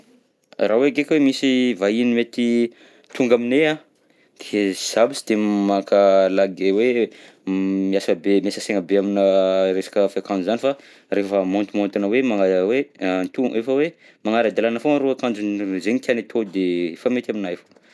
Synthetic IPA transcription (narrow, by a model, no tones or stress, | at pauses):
ɾaweɡekwemisivainimet̪i | t̪uŋɡaminea | d̪̥ez̥abit͡si̥d̪̥emmakalaɡewe | miasəbemiasəseŋəbeaminəɾesḁkəfakãnd͡ʒzanifa | refəmont̪umont̪inəwemaŋawent̪uʔefəwe | maŋaɾad̪alanəfoaɾoakãnd͡ʒunzeɲkʲanet̪ʰod̪efamet̪aminajfo̥